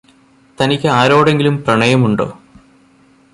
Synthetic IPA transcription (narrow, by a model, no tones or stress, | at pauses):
t̪ɐnikʲːɨaːɾo̞ːɽe̞ŋɡilumprɐɳɐjɐmuɳɖo̰ː